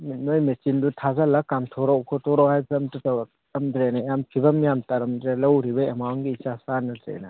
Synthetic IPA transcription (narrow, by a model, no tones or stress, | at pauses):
minojmesindutʰazalakːamtʰɔɾɔwkʰɔtʰɔɾɔwhajpʰiɐmtutɐwɐk̚ | ɐmdɾenajamkʰibɐmijamtaɾɐmdɾelɐwɾibɐɐmaŋɡiːt͡ʃasanɐdɾḛnɐ